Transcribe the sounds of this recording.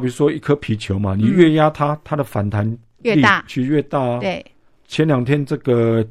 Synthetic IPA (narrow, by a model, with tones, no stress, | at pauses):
pi˨˩ʂwɔ˦˥i˥kʰə˦pʰi˨˥t͡ɕʰjo˨˦ʊma˧nĩ˨˩ɥɛ˥˨ja˦t̪ʰa˦t̪ʰa˦d̪ə˨fa˨˩nt̪ʰa˨˧˦n˧ | i˥a˥˨t͡ɕʰy˥˧ɥɛ˥˧t̪a˥˧ | t͡ɕʰjɛ˧˦nljɑ˨˩ŋt̪ʰjɛ˦˥nt͡sə˥˩ɡə˨